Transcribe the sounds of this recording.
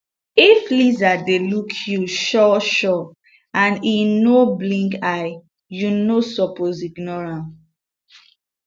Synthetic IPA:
iflizadelukʰjuʃɔʃɔ | ãninoblĩŋkaɪ | junosɔpoziɡnɔɹãn

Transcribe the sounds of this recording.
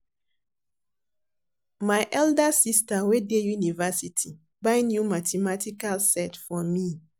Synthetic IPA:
maɪʔɛldasistawedejunivasitʰi | baɪnjumatʰɛmatʰikalsɛtfɔmi

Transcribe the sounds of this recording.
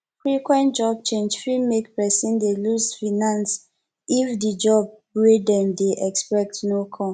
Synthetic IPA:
fɹikwɛ̃ntd͡ʒɔb̚t͡ʃẽnd͡ʒfɹimekpɛsĩndelusfinãns | ifdid͡ʒɔb̚ | wedɛ̃mdeʔɛkspɛk̚tnokʰɔ̃

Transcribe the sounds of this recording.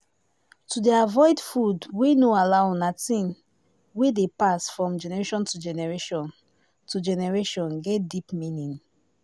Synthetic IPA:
tudeavɔɪdfudwenoalaʊnatĩn | wedepasfɹɔ̃md͡ʒɛnɛɹeʃɔ̃ntud͡ʒɛnɛɹeʃɔ̃n | tud͡ʒɛnɛɹeʃɔ̃nɡɛt̚dipmĩnĩn

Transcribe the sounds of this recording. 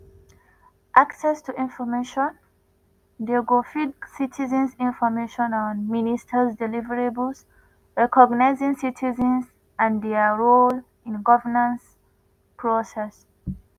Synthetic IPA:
ʔaksɛstuʔĩnfɔmeʃɔ̃n | deɡofidsitʰizə̃nsĩnfɔmeʃɔ̃nɔ̃nministʰəzdɛlivəɹebəls | ɹɛkɔɡnaɪzĩŋsitʰizə̃ns | ãndɛaɹol | ĩnɡɔvənãns | pʰɹɔsɛs

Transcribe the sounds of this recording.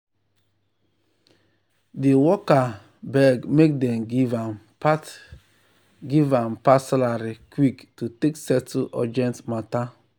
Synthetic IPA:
diwɔka | bɛɡmek̚dɛ̃mɡivam | p | ɡivãmpaslaɾikwiktuteksɛtuʔɔ̰d͡ʒɛ̃ntmata

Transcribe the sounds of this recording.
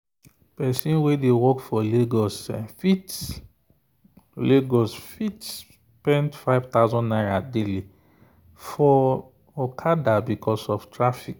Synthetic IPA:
pɛsĩnwedewɔkfɔleɡɔsfit | leɡɔsfits | pɛ̃ntfaɪvt̪aʊzɔ̃nnaɪɹadeli | fɔ | ɔkʰadabikʰɔsɔftɹafik

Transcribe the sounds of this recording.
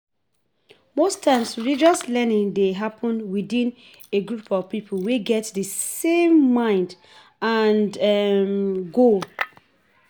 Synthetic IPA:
mostʰãɪ̃msɹid͡ʒɔslɛnĩŋdeɦapʰɔ̃nwidĩn | eɡɹupʰɔv̥pipʰolweɡɛtdəsẽmːãɪ̃nd | andmɡo

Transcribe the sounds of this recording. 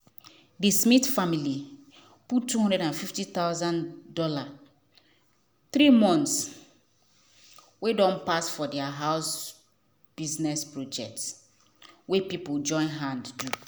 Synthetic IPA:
dismitfamili | putːuhɦɔ̃ndɹɛɾãnfiftit̪aʊzãndɔla | θɾimɔ̃nts | wedɔ̃npasfɔdɛaɦaʊs | b̥iznɛspɹod͡ʒɛk̚ts | wepipuld͡ʒɔ̃ɪ̃nɦãnddu

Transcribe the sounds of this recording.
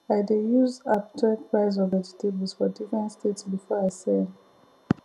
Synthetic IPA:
ajdejuzaptʰɛk̚pɹaɪz̬ɔvɛd͡ʒitʰeblzfɔdifɹɛ̃ntstʰetsbifɔajsɛn

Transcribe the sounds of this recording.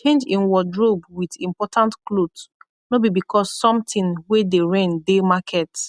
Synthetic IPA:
t͡ʃẽnd͡ʒĩnwɔdɹobwidĩmpɔtʰãntklod | nobibikʰɔsːɔ̃mtĩnwedeɹɛ̃ndemakʰɛt

